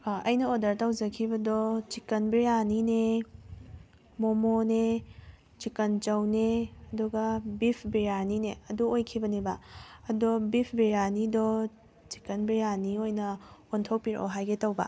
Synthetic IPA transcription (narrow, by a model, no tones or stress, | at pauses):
ɐjnɐodɐɾtawd͡ʒɐkʰibɐdɔt͡ʃikɐnbijanine | momone | t͡ʃikɐnt͡ʃɐwneɐduɡɐbipʰbeɾanineɐduojkʰibɐnebɐɐdɔbipʰbeɾanidɔ | t͡ʃi̥kɐnbijaniojnɐontʰok̚piɾo̰ɦajɡetɐwba̰